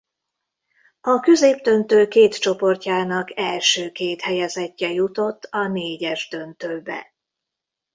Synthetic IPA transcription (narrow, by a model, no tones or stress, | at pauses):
ɒkøzeːbd̪ø̞nt̪øːkeːt̪t͡ʃo̞po̞rcaːnɒkɛlʃøːkeːt̪hɛjɛzɛcːɛjut̪o̞t̪ːɒneːɟɛʒd̪ø̞nt̪øːbɛ̰